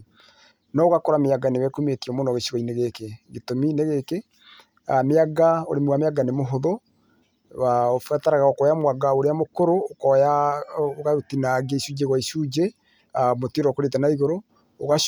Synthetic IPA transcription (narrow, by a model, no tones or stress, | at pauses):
nɔoɣakɔɾameaɡanewɛkumetiɔmonɔɣeʃiɣaineɣekeɡetomineɣeke | ameaɡao̰ɾemwameaɡanemoɦoðo | waofataɾaɣaokɔjamwaɡaoɾeamokoɾokɔjaoɣaɾutinaɡeiʃud͡ʒeɣwaiʃud͡ʒe | amotiɾɔkoɾetanaiɣoɾo | oɣa